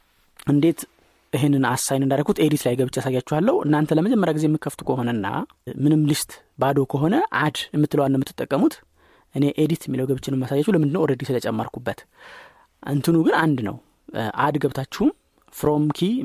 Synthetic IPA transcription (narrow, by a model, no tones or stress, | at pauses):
ʔɨnd̪e̞t̪ | ʔiɦenːɨnasːajnɨnd̪aɾəɡut̪ed̪it̪lajɡəβɨt͡ʃːasajːat͡ʃːuhalːəhuʔɨ̰nːant̪ʰələməd͡ʒɛmːəɾjaɡize̞jɛmːɨkʰːəft̪u̥kʰəhɦo̞nənːa̰ | mɨnɨmlɨst̪ʼ | bad̪o̞kʰəɦo̞nəʔad̪jɛmːɨt̪ːɨləwanːɛmːɨt̪ːɨ̥t̪ʼːəkʼːəmut̪ | ʔɨne̞ʔed̪it̪jɛmːiləwɡəβɨt͡ʃːɪnɨmːasajːat͡ʃːuwləmɨnd̪ɨnːəwɾəd̪isɨlət͡ʃʼɛmːaɾkʰubːət̪ | ʔa̰nt̪ʰɨnuɡɨnand̪nə̰w | ʔad̪ɡəβt̪ʰat͡ʃːɛhum | fɾo̞mkʰi